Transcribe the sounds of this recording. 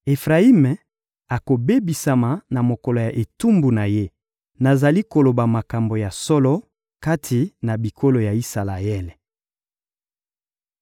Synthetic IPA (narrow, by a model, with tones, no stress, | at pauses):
e˨fʁa˨i˦me˨ | a˨ko˨be˦bi˨sa˨ma˨na˨mo˨kɔ˨lo˨ja˨ʔe˨tu˦mbu˨na˨je˦ | na˨za˨li˦ko˨lo˨ba˨ma˨ka˨mbo˨ja˨sɔ˦lɔ˦ | ka˦tʰi˨na˨bi˨ko˦lo˨ja˨i˦sa˨la˨ɛ˦le˨